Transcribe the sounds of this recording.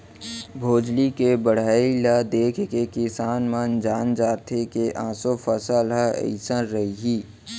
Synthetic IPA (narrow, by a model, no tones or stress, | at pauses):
bʱoːd͡ʒlikebəɽ̤aːilad̪eːkʰkekɪsaːnmãnd͡ʒaːnd͡ʒaːt̪ekeʔãːsofəsəːlɦaə̰ɪsəɾɾɐɦiɦiː